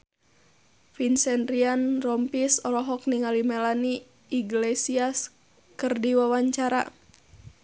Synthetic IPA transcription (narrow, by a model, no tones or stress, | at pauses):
finsɛnɾianrɔmpisɔɾɔɦɔk̚niŋalimɛlaniː | ɡlesias | kɨrdiwawaɲt͡ʃaɾa̰